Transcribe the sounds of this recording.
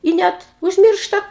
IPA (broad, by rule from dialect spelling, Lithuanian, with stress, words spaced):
ɪ ˈnʲɛt ʊʒʲˈmʲɪrʃtɐ